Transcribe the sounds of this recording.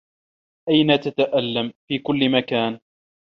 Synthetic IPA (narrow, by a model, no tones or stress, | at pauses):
ʔajnat̪at̪aʔalːamfiːkʊlːɪmakaːn